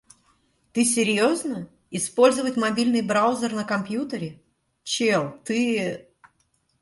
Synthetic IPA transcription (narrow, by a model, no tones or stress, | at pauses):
t̪ɨs̬ʲɪɾʲjoznə | ɪspo̞lʲzəvətʲmɐbʲilʲnɨjbɾaʊzʲərnəkɐmpʲjut̪əɾʲɪ | t͡ɕelˠt̪ɨ